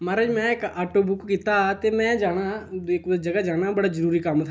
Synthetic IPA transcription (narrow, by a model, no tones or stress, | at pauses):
maːɾad͡ʒmɛ̃ːɪkaːʈoːbʊkkːiːt̪aːt̪eːmɛ̃ːd͡ʒaːɽaːɪk̪ːd͡ʒəɡaːd͡ʒaːɽaːbəɽaːzəɾuːɾiːkəmt̪ʰa